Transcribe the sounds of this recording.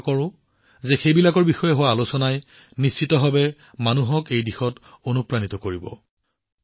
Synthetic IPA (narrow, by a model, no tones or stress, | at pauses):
kɔɹʊ̃ | zɛxejbilakɔɹbixɔjɛɦowaːlusɔnaj | nist͡ʃitɔɦabɛ | manuɦɔkejdixɔt | onupɹanitɔkoɹibɔ̰